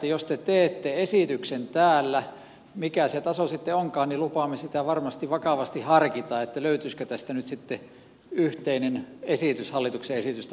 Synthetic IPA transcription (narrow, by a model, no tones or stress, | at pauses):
jost̪et̪eːt̪ːeesit̪yksent̪æːlːæ | mikæset̪ɑsosit̪ːeoŋkɑːnnilupɑːmːesit̪æʋɑrmɑst̪iʋɑkɑʋɑst̪ihɑrkit̪ɑːet̪ːæløyt̪yːskøt̪æst̪ænyt̪sit̪ːe | yht̪einenesit̪yshɑlːit̪ukseesit̪yst̪æ